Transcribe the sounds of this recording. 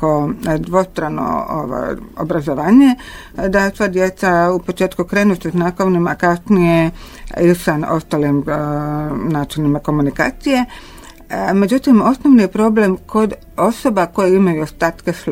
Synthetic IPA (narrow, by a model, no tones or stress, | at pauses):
od̪ʋo̞st̪ɾano̰o̰ʋa̰jo̰bɾazo̞ʋaːɲe | d̪asʋaːd̪jet̪saupo̞t͡ʃe̞ːt̪kukɾe̞ːnuseznakoʋnimakasnijeisano̞̰st̪aːlim | naːt͡ʃilnimako̞munika̰ːt̪sije̞ | me̞d͡ʒut̪imo̞snoʋnijepɾo̞ble̞mko̞d̪ | o̞so̞bako̞jeimajuost̪aːt̪kes